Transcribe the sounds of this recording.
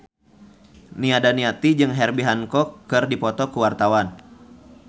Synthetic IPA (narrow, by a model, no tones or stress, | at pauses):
niadaniat̪id͡ʒɨŋɦɛrbiɦankɔkːɨrdipɔt̪ɔkuwart̪awan